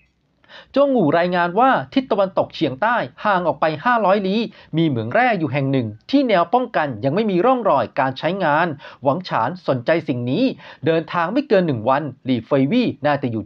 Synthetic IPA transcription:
t͡ɕoː˥˩ŋːuː˨˩ɾaː˧jŋaː˧nwaː˥˩t̪ʰi˦˥˩t̪ːa˧wa˧nt̪o˨˩k̚t͡ɕʰi˨˩˦əŋt̪aː˥˩jhaː˨˩ŋʔɔː˨˩k̚pa˧jhaː˥˩ɾɔː˦˥jliː˦˥miː˧mɯ˩˦əŋɾɛː˥˩k̚juː˨˩ɦɛ˨˩ŋnɯ˨˩ŋt̪ʰiː˥˩nɛː˧wpɔ˥˩ŋka˧nja˧ŋma˥˩jmiː˧ɾɔ˥˩ŋɾɔː˨˩jkaː˧nt͡ɕʰa˦˥jŋaː˧nwa˩˦ŋt͡ɕʰa̰ː˩˦nso˩˦nt͡ɕa˧jsi˨˩ŋniː˦˥dɤː˧nt̪ʰaː˧ŋma˥˩jkɤː˧nːɯ˨˩ŋwa˧nliː˨˩feː˧wiː˥˩naː˥˩t͡ɕa˨˩juː˨˩

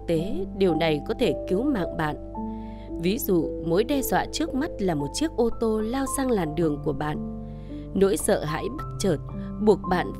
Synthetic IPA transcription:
t̪e˨˦ɗi˨˩əwna˨˩jkɔ˨˦t̪ʰe˧˩ki˨˦wma̰ː˧˨ŋɓa̰ː˧˨n | vi˨˦zṵ˧˨mo˨˦jɗɛ˧zwa̰ː˧˨t͡ɕɨ˦˥ək̚ma˦˥t̚laː˨˩mo˨˩t̚t͡ɕi˦˥ək̚ʔo˧t̪o˧laː˧wzaː˧ŋlaː˨˩mɗɨ˨˩əŋku˧˩əɓa̰ː˧˨n | no̰˧˥jsə̰ː˧˨ɦa̰ː˧˥jɓə˦˥t̚t͡ɕəː˨˩t̚ | ɓu˨˩ək̚ɓa̰ː˧˨n

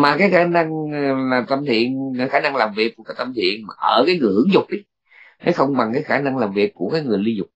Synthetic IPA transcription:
maː˨˩kaː˨˦jxaː˧˩na˧ŋlaː˨˩t̪ə˧mt̪ʰḭ˧˨ənkaː˨˦jxaː˧˩na˧ŋlaː˨˩mvi˨˩ək̚kːkaː˨˦t̪ə˧mt̪ʰḭ˧˨ənmaː˨˩ʔəː˧˩kaː˨˦jŋɨ˨˩əjhɨ˧˨əŋzʊ˨˩k͡p̚ʔi˨˦ | ne˨˦xə˧wŋ͡mɓa˨˩ŋkaː˨˦jxaː˧˩na˧ŋlaː˨˩mvi˨˩əkːu˧˩əkaː˨˦jŋɨ˨˩əjli˧zʊ˨˩k͡p̚

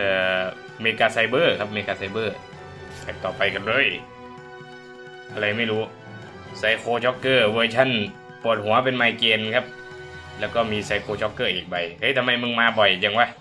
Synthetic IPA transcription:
ʔɤː˧˩ | meː˧kaː˧sa˧jbɤː˧˩kʰa˦˥p̚meː˧˩kaː˧sa˧jbɤː˧˩ | aː˨˩k̚t̪ɔː˨˩pa˧jka˨˩nlɤː˧˥˨j | ʔa˨˧ɾa˧jma˥˩jɾuː˦˥ | sa˧˥jkʰoː˧t͡ɕʰɔ˦˥kːɤː˧˩boː˧jt͡ɕʰa˧˥˨n | pu˨˩t̪̚hu˨˩˦ɐpe˧nmaː˧jkeː˧nkʰa˦˥p̚ | lɛː˧˥˩wkɔː˥˩miː˧sa˧˥jkʰoː˧t͡ɕʰɔ˦˧˥kːɤː˧˩ʔiː˨˩k̚ba˧˩jhɤ˦˥˨t̪ʰa˧ma˧˩jmɯ˧ŋmaː˧bɔ˨˩jt͡ɕa˧˩ŋwa˧˩˨

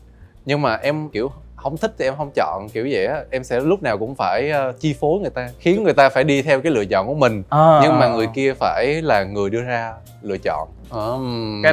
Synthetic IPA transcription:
ɲɨ˧ŋmaː˨˩ʔɛ˧mki˧˩əwhə˧wŋ͡mt̪ʰï˦˥k̪̚ʰi˧ʔɛ˧mɦə˧wŋ͡mt͡ɕɔ̰˧˨nki˧˩əwzə̰˧˨jʔaː˨˦ʔɛ˧msɛ̰˧˥lʊ˦˥k͡p̚naː˨˩wkʊ̰˧˥ŋ͡mfaː˧˩jʔəː˧t͡ɕi˧fo˨˦jŋɨ˨˩əjt̪aː˧xi˨˦ənŋɨ˨˩jt̪aː˧faː˧˩jɗi˧t̪ʰɛ˧wkaː˨˦jlɨ̰˧˨ət͡ɕɔ̰˧˨nku˧˩əmï˨˩ŋ̟ː˧˨ɲɨ˧ŋmaː˨˩ŋɨ˨˩əjki˧əfaː˧˩jlaː˨˩ŋɨ˨˩əjɗɨ˧əzaː˧ | lɨ̰˧˨ət͡ɕɔ̰˧˨n | ʔəː˨˩

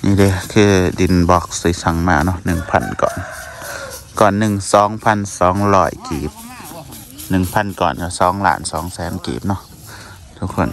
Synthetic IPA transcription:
ʔiː˧˩˨de˧˦kʰɯː˧˩di˨˩˨nbɔː˧˦k̚sɯ˨˦jsa˧˩ŋmaː˧˩˨nɔ˧˨nɯ˨˩ŋpʰa˧˥˨nkɔ̰ː˨˩˨n | kɔː˨˩nːɯ˨˩ŋsɔː˨˦ŋpʰa˧˥˨nsɔː˨˦ŋlɔː˧˩jkḭː˨˩p̚ | nɯ˨˩ŋpʰa˧˥˨nkɔ̰ː˨˩˨nkaː˧˩sɔː˨˦ŋla̰ː˨˧˦nsɔː˨˦ŋsɛː˨˦nkḭː˨˩p̚nɔ˧˨ʔ | t̪ʰu˧kʰːo˧˩˨n

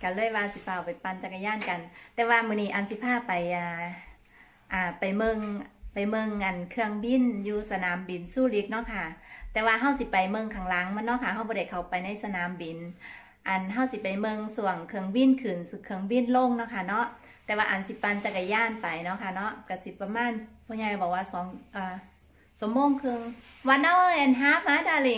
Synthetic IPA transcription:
ka˧˩lɤː˧˥˩jwaː˧si˧˦pʰaː˧˩˨wpa˨jpa˧nt͡ɕa˧ka˧jaː˧˥˨nka˨˩nt̪ɛː˧waː˧mɯː˧˩˨niː˧˨ʔa˨˩nsi˧˦pʰaː˧˩pa˨jʔaː˧˩ | ʔaː˨˩pa˨˩jmɤ˧ŋpa˨˩jmɤ˧ŋʔa˨˩nkʰɯ˧əŋbi˧˥˨njuː˧sa˧naː˨˦mbi˨nsuː˧˩li˧˦p̪̚nɔ˧˥˨kʰa˧˩t̪ɛː˧waː˧ɦa˧˩˨wsi˧˦pa˨jmɤ˧˨ŋkʰa˧˦ŋla˨˦ŋma˧˥˨nɔ˧˥ʔkʰa˧˩ɦa˧˩wbɔː˧da˧˩jkʰa˨˩wpa˨jna˧˥˨jsa˧naː˨˦mbi˨˦n | ʔa˨˩nɦa˧˥˩wsi˧˦pa˨˩jmɤ˧ŋsu˧˩əŋkʰɯ˧əŋbi˧˥˨nkʰɯː˨˩nsu˧kʰɯ˧əŋbi˧˥˩nlo˧˥˨ŋnɔ˧˥kʰa˧˩nɔ˦˧˥ʔ | t̪ɛː˧waː˧ʔa˨˩nsi˧˦pa˧nt͡ɕa˧˩ka˧˩jaː˧˥˨npa˨jnɔ˧˥kʰa˧˩nɔ˧˦˥ʔka˧˩si˧˦pa˧maː˧˥˨npʰɔː˧˩ɲa˧kbɔː˨˩kwaː˧˩sɔː˨˦ŋʔaː˧˩ | sɔː˨˦ŋmoː˧˥˨ŋkʰɯ˧ə˨ŋwa˧˥nna˧˥˨ʔa˨nɦaː˧˦˥p̚maː˧˥daː˧˨le˧˩

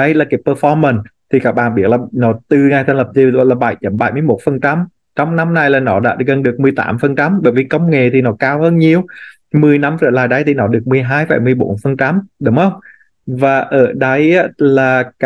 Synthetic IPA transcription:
ɗə˧˦jlaː˨˩kaː˨˦jpəː˧˩fɔ˧mə˨˩nt̪ʰi˨˩kaː˦˥k̚ɓa̰ː˧˨nɓi˦˥əlaː˨˩nɔ˨˦t̪ɨ˨˩ŋa˨˩t̪ʰə˧nlə˨˩p̚zi˧˨˦laː˨˩ɓa̰˧˩jt͡ɕə˨˩˦mɓaː˧˩jmɨ˧əjmo˨˩t̚fə˨˩nt͡ɕa˧m | t͡ɕɔ˧wŋ͡mna˨˧˦mna˧jlaː˨˩nɔ˨˦ɗa̰ː˧˥ɣə˨˩nɗɨ˨˩ək̚mɨ˨˩əjt̪a̰ː˨˦mfə˨˩nt͡ɕa˧˩mɓəː˧˨˦jvi˨˩kə˧wŋ͡mŋḛ˧˨t̪ʰi˨˩nɔ˨˦kaː˧whəː˧nɲi˨˧əw | mɨ˨˩əjna˧mʔə̰ː˧˩laː˨˩jɗə˧jt̪ʰi˨˩nɔ˨˦ɗɨ˨˩ək̚mɨ˨˩əjɦaː˧jfa̰˧˩jmɨ˧˩əjɓo̰˧˩˦nfə˨˩nt͡ɕa˧mɗʊ˨˦ŋ͡mxə˧wŋ͡m | vaː˨˩ʔəː˧˩ɗə˧jʔaː˧˥laː˨˩k

